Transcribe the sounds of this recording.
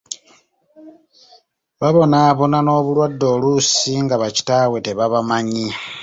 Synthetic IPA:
βaβo̞naːβo̞nano̞ːβulwadːo̞lusiŋɡaβaci̥tawe̞te̞βaβamaɲi

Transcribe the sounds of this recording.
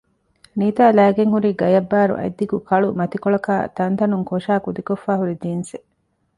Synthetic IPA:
niːt̪aːlæːɡeŋɦuɾiːɡɐjɐbːaːɾṵʔɐ̰d̪ːiɡukɐɭumɐt̪ikoɭɐka̰ːt̪ɐnt̪ɐnuŋkoʃaːkud̪ikofːaːɦuɾid̪iːnse

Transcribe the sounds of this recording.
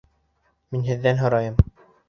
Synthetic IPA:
minɦɘ̆ðːænɦɤ̆ɾɑjɤm

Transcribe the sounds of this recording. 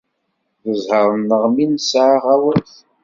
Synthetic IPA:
θəzˤhəɾˤənːəʁminsʕaʁæwəθ

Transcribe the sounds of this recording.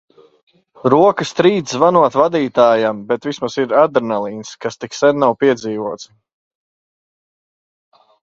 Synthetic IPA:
ɾuɔkəst̪ɾiːd̪zzvanuɔt̪vad̪iːt̪aːjambɛt̪vismasiɾad̪ɾnalˠiːnskast̪iksɛnnːawpiɛd̪ziːvuɔt̪s

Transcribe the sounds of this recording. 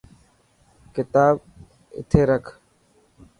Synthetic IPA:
kɪt̪aːb | ɪ̰t̪ʰeːɾəkʰ

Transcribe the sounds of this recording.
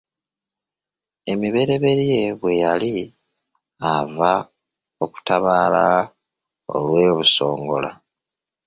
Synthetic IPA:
e̞miβe̞ɾe̞βe̞ɾje̞βwe̞jali | ava | oku̥taβaːla | o̰lwe̞ːβuso̞ːŋɡo̞̰la̰

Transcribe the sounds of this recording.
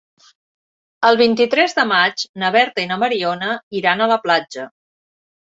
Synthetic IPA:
əlˠβint̪it̪ɾɛzðəmat͡ʃnəβɛɾt̪əinəməɾionəiɾanələplad͡ʒə

